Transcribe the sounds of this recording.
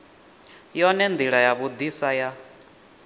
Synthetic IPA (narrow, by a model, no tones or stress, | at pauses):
jɔnɛnd̪iɺajaβud̪isaja